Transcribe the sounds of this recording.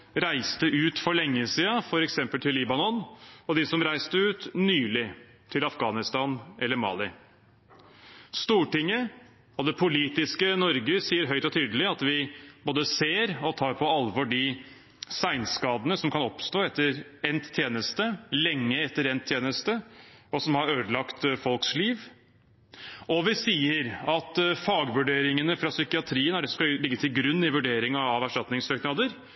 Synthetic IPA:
ɾæɪst̪əʔʉːt̪fɔɭɛŋːəsiːɑfɔɾɛksɛmpəlt̪ʰɪlːiːbɑnɔnɔd̪ɪsɔmɾæɪst̪əʉːt̪nyːlɪ | t̪ʰɪlɑfɡɑːnɪst̪ɑːnʔɛlːəɾmɑ̰ːlɪ | st̪uːʈɪŋːə | ɔd̪ɛpʰʊliːt̪ɪskənɔɾɡəsiːəɾɦœʏt̪ɔt̪ʰyːd̪əlɪɑt̪ʋɪboːd̪əseːɾɔt̪ʰɑːɾpʰɔɑlʋɔɖɪ | sæɪnskɑːd̪ənəsɔmkʰɑnɔpst̪oːɛt̪ːəɾɛnt̪ʰːjeːnəst̪əlɛŋːəɛt̪ːəɾɛnt̪ʰjeːnəst̪əɔsɔmhɑɾøːd̪əlɑkt̪fɔlksliːʋ | ʔɔʋɪsiːəɾɑt̪fɑːɡʋʉɖeːɾɪŋənəfɾɑsʏkɪɑt̪ʰɾiːənæɖɛsɔmkɑlɪɡːət̪ʰɪlɡɾʉnːɪʋʉɖeːɾɪŋɑɑʋæʂɑt̪nɪŋsøːknɑːd̪əɾ

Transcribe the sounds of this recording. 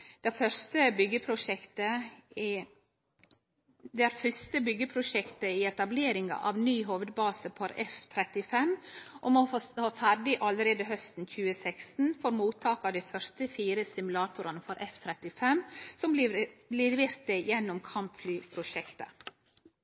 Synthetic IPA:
d̪̥ɛfœst̪əbʏɡːəpʰɾʊʃɛkt̪ə | d̪ɛæːɾfʏst̪əbʏɡːəpʰɾʊʃɛkt̪əɪɛt̪ɑbleːɾɪŋɑ̰ʔɑ̰ʋnyːɦoʋəd̪̚bɑːsəpʰɔɾɛ̰ft̪ʰɾɛt̪ɪfɛmʔɔmɔfost̪oːfæɾɖɪʔɑləɾeːd̪əɦœst̪n̩c͡çʉːəsɛkst̪n̩fɔɾmuːt̪ʰɑːkɑd̪æɪfœɾst̪əfiːɾəsɪmʉlɑːt̪ʰʊɾɑnəfɔɾʔɛft̪ʰɾɛt̪ɪfɛmsɔmblɪɾʋɪɾt̪əjɛnːʊmkʰɑmpflyːpʰɾʊʃɛkt̪ə̰

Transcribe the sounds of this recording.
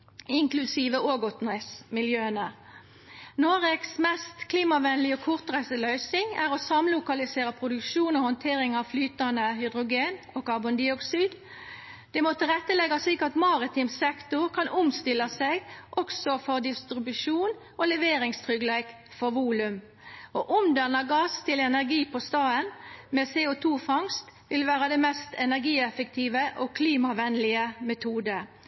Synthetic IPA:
ɪŋklʉsiːʋəʔoːɡʊt̪nɛsmɪljøːənə | noːʁeksmɛst̪kʰliːmɑʋɛnəlɪoːkʰʊʁt̪ʁæɪsəlœʏsɪŋæʁoːsɑmlʊkɑlɪseːʁəpʰʁʊd̪ʉkʃuːnoːhɔnt̪ʰeːʁɪŋɑʋflyːt̪ɑnəhʏd̪ʁʊɡeːn | oːkɑbʊnd̪ɪɔksyːd̪ | d̪̥ɛmɔt̪ʰəʁɛt̪ːəlɛɡɑsliːkəɑt̪mɑʁɪt̪ʰiːmsɛkt̪ʊʁkʰɑnʔʊmst̪ɪlɑseɡʔɔksɔfɔʁd̪ɪst̪ɾɪbʉʂuːn | oːlɛʋeːɾɪŋst̪ʰʁʏɡlæɪk | fɔʁʋuːlʉm | oːʔʊmd̪ɛnɑɡɑːst̪ʰɪlɛnæʁɡiːpɔst̪ɑːənmeːseːʊt̪ʰuːfɑŋst̪ʋɪlʋæːʁəd̪ɛːmɛst̪ɛnæʁɡiːɛfək̚t̪ʰiːʋəʔoːkʰliːmɑʋɛnlɪəmɛt̪ʰuːd̪ə

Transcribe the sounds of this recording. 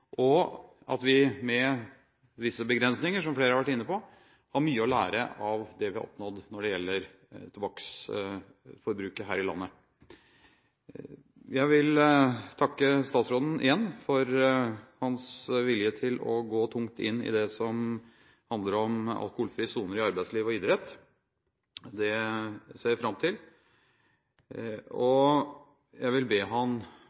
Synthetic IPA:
ʔɔ | ʔɑ̰t̪ʋɪmɛ | ʋɪsːəbəɡɾɛnsnɪŋəʂɔmfleːɾəɑɾʋæʈɪnːəpɔ | hɑɾmyːəɔlæ̰ːɾə̰ʔɑʋd̪ɛʋɪhɑ̰ʔɔ̰pnɔd̪nɔɖɛjɛlːəɾ | t̪ʰʊbɑks | fɔɾbɾʉːkəɦæːɾɪlɑ̰nːə | jæɪʋɪlt̪ʰɑkːəst̪ɑːt̪sɾoːd̪n̩ɪ̰jɛnːfɔɾhɑnsʋɪljət̪ʰɪlɔ̰ɡoːt̪ʰʊŋt̪ɪ̰nːɪ̰d̪ɛsɔm | hɑnd̪ləɾɔmɑ̰lkʊhuːlfɾiːəsuːnəɾɪɑɾbæɪsliːʋɔɪd̪ɾɛt̪ː | d̪ɛseːfɾɑmt̪ʰɪl | ɔ | jæɪʋɪlbeːɦɑn

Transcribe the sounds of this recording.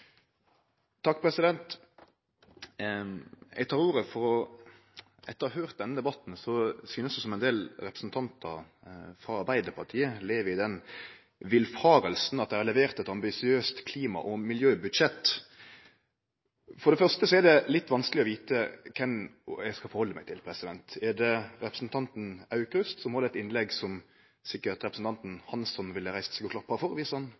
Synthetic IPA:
t̪ʰːɑkːpʰɾɛsɪd̪ɛnt̪ | ɛ̰ɡt̪ʰɑːɾuːɾəfɔɾɔ | ɛt̪ːəɑhøːɾt̪̚d̪ɛnːəd̪ɛbɑt̪n̩sɔsyːnəsd̪ʉsɔmɛɪnd̪eːlɾɛpɾə̥sn̩t̪ʰɑnt̪ʰɑ̰fɾɑɑɾbæɪd̪əɾpʰɑʈ̪ʰiːəleːʋəɾɪd̪ɛn | ʋɪlfɑːɾəlsn̩ɑt̪̚d̪ɛɪhɑɾlɛʋeːʁt̪ɛt̪ɑmbɪsɪøːst̪kʰliːmɑ̰ʔɔmɪljøːbʉd̪ʂɛt̪ː | fɔɾɖ̪ɛfœʁst̪əsɔɛɾd̪ɛlɪt̪ːʋɑnsklɪɔʋiːt̪əkʰɛmjæɪskɑfɔɾhɔlːəmæɪt̪ʰɪlpʰɾɛsɪd̪ɛnt̪ɛd̪ɛɾɛpɾəsn̩t̪ʰɑnt̪n̩ɑʉkɾʉst̪sɔmhɑɾd̪ɛɛt̪ɪnlɛɡsɔm | sɪkːəɾt̪ɾɛpɾsn̩t̪ʰɑnt̪n̩hɑnsɔnʋɪlɾæɪst̪sɛɡʊklɑpːɑfɔɾʋiːsəhɑn

